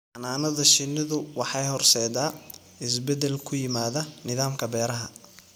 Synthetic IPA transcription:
ʔɑnaːnɐðɐʃɪnːɪðʊwɑħɑjhɔrsɛjd̪aː | ɪs̬bɛd̪ɛlkʰʊjɪmaːðɐnɪðaːmkʰɐbɛːɾɐɦɐ

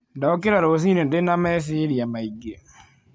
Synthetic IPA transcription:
dɔkɪɾaɾos̬inedenamɛsiɾiamaiɡe

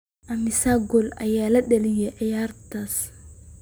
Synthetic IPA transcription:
ʔɐmɪsaɡɔlɐ̰jaːlɐɗɐlɪjɛʔɐjaːrt̪as

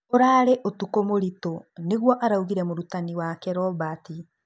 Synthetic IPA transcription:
oɾaɾeʔotukomoɾitoneɣwɔʔaɾauɣiɾɛmoɾutaniwakɛɾɔbati

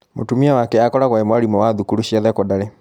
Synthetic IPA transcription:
mo̰tumiawakɛakɔɾaɣwaemwaɾimɔwaðukuɾuɕiaðɛkɔdaɾe

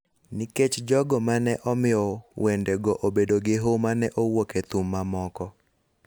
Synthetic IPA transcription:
niket͡ʃd͡ʒɔɡɔmanɛʔɔmɪɔwʔendeɡɔʔobedoɡɪɦomanɛʔowoket̪umːamɔkɔ

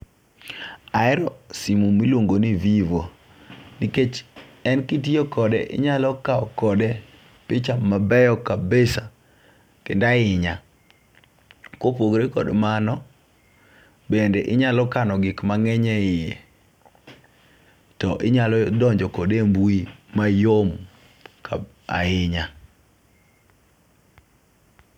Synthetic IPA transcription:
aɛɾɔsimumilwoŋɡonivivo | niket͡ʃɛnkit̬iokɔdɛʔɪ̰ɲalɔkaɔkɔdɛ | pɪt͡ʃamabɛjɔkabesa | tɪ̰ndaɪɲa | kwopoɡɾekɔ̰dmanɔ | bendeʔɪɲalɔkanɔɡɪkmaŋɛɲɛɪe | tɔʔɪɲalɔdɔɲd͡ʒɔkɔdembuimajom | kʰa̰ | a̰ɪɲa

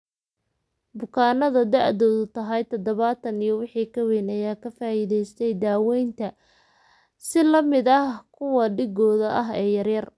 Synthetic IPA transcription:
bʊkʰaːnɐðɐd̪aʕd̪ɔːðʊt̪ʰɐɦɐjt̪ʰɐd̪ɐβaːt̪ʰɐnijɔwɪħiːkʰɐwɛjnɐjaːkʰɐfaːɪðɛjst̪ʰɛjd̪aːwɛjnt̪ʰɐ | sɪlɐmɪd̪ɐhkʰʊwɐɖɪɡɔːðɐʔɐɦɛːjɐrjɐr

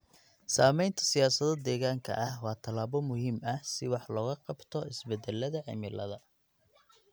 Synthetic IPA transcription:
saːmɛjnt̪ʰɐ̥sɪjaːsɐðɔd̪ɛːɣaːŋkʰɐ̰ʔɐhwɑːt̪ʰɐlaːβɔmʊhiːmɐhsɪwɑħlɔːɣɐqɑbt̪ʰɔɪsbɛd̪ɛlɐðɐʕɪ̰mɪlɐðɐ

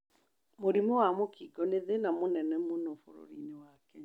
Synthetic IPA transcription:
moɾimɔwamokiɡɔneðenamonɛnɛmonɔfo̰ɾo̰ɾinewakɛ

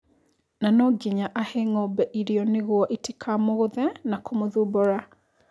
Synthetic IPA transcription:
nanɔɡiɲaʔaheŋɔbɛʔiɾiɔneɣwɔʔitikʰamoɣoðɛnakomoðubɔɾa

